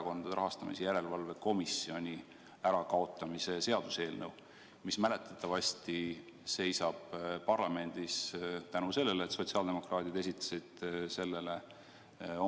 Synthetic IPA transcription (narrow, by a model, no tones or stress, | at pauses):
ɑko̞nd̪̥ɑd̪eɾɑɦɑst̪ɑmḭsejæɾe̞lvɑlve̞ko̞misio̞nʲi | æɾɑkɑo̞t̪ːˑɑmise̞se̞ɑd̪̥use̞ːlnɤw | mismæle̞t̪ːˑɑ̥t̪ːˑɑvɑsʲt̪i | se̞jsɑb̥pɑrlɑme̞nd̪̥ist̪ænuse̞lːe̞leːt̪so̞t̪siɑld̪e̞mo̞krɑːt̪id̪e̞s̬ʲit̪ːˑɑ̥sid̪̥se̞lːe̞le̞ | o